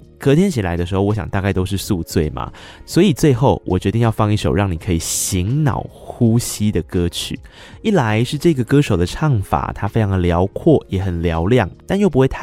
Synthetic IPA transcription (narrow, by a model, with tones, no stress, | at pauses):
kɤ˧˥t̪ʰjɛ˥nt͡ɕʰi˨˩la˧˦ɪə˧ʂɻ̩˧˥xo˥˩ʊwɔ˧˦ɕjɑ̰˨˩ŋt̪a˥˧kɪo˥ʊʂɻ̩˥˧su˥˧t͡swe˥˩ɪmɐ̰˩ | swɔ˧˥i˨˩t͡swe˥˧ɪxo˥˩ʊwʔɔ˨˩t͡ɕɥɛ˧t̪i˥˧ŋjɑ˥˧ʊfɑ˥˧ŋi˥˩ʂo˨˩ʊɻɑ˥˩ŋni˨˩kʰɤ˧˥i˨˩ɕi˧˥ŋnɑ̰˨˩ʊxu˦ɕi˦˥d̪ə˨kɤ˥t͡ɕʰy̰˨˩˦ | i˥˩la˧˦ɪʂɻ̩˥˧ʈ͡ʂɤ˥˩i˧ɡə˩kɤ˦˥ʂo˨˩ʊd̪ə˦ʈ͡ʂʰɑ˥˩ŋfa̰˨˩t̪ʰa˥fe˥ʈ͡ʂʰɑ˧˥ŋd̪ə˨ljɑ˧˥ʊkʰwɔ˥˩jɛ˨˥xə˨˩nljɑ˧˦ʊljɑ˥˨˩ŋt̪a˥˧njo˥˩ʊp̬u˦xwe˥˧ɪt̪ʰ